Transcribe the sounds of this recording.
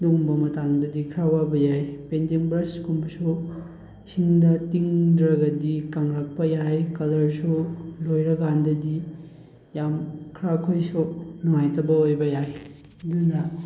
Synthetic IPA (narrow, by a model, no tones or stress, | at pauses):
numbɐmɐtaŋdɐdikʰɾawabɐjajpentiŋbɾɐskumbɐsu | siŋdɐtiŋdɾɐɡɐdikaŋɾɐk̚pɐjajkɐlɐɾsulojɾɐɡandɐdi | jamkʰɾawkʰojsunaŋajtɐbɐojbɐjaj | dunɐ